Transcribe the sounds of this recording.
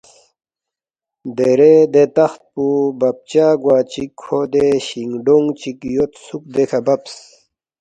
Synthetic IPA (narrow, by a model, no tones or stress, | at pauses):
d̪eɾed̪et̪ɐxt̪̚pubɐp̚t͡ɕaːɡwaːt͡ɕikʰːod̪eɕiŋɖoŋɡt͡ɕikjot̪suk̚d̪ekʰabɐps